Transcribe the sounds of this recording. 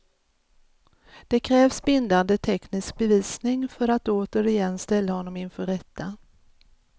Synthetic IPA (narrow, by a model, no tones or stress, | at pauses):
d̪̥ɛkʰɾɛːvsbɪnd̪and̪ət̪ʰɛknɪsk̚bɛviːsnɪŋfœɾat̪oːt̪əɾɪjɛnːst̪ɛlːahɔnːɔmɪnfœɾɛt̪ʰːa